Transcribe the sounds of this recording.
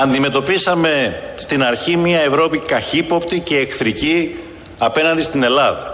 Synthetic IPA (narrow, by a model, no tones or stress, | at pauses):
ɐnd̪ime̞t̪o̞pisɐme̞st̪inɐɾçimiɐe̞vɾo̞pikɐçipo̞pt̪ice̞ːkθɾici | ɐpe̞nɐnd̪ist̪ine̞lɐðɐ